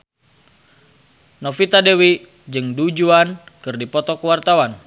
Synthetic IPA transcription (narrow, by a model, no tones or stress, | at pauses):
nɔfit̪adewi | d͡ʒɨŋdud͡ʒuankɨrdipɔt̪ɔkəwart̪awan